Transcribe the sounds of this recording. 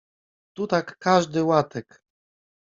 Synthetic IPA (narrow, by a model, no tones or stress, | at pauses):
t̪ut̪akːaʐd̪ɘwat̪ɛk